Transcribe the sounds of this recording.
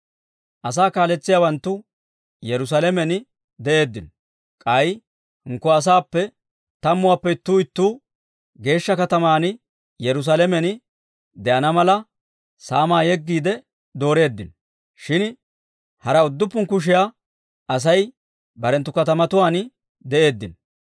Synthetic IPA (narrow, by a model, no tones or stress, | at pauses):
ʔɐs̬aːkaːlɛt͡sːɪjaːwɐnt̪ːʊ | jɛɾʊs̬aːlɛmɛn | d̪ɛʔe̞ːd̪ːɪn | kʼɐj | hɪŋkːɔɐs̬aːpːɛ | t̪ɐmːʊwaːpːɛɪt̪ːuːɪt̪ːuː | ɡe̞ːʃːɐkɐt̪ɐmaːn | jɛɾʊs̬aːlɛmɛn | d̪ɛʔɐnɐmɐlɐ | saːmaːjɛɡːiːd̪ɛ | d̪o̞ːɾe̞ːd̪ːɪn | ʃɪn | hɐɾɐʊd̪ːʊpːʊŋkʊʃ̬ɪja | ɐs̬ɐj | bɐɾɛnt̪ːʊkɐt̪ɐmɐt̪ʊwaːn | d̪ɛʔe̞ːd̪ːɪn